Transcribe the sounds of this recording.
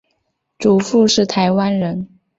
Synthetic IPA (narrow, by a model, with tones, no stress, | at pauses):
ʈ͡ʂu˨˩fu˥˧ʂɻ̩˥˩t̪ʰa˧˥ɪwa˥nɻə˧˥n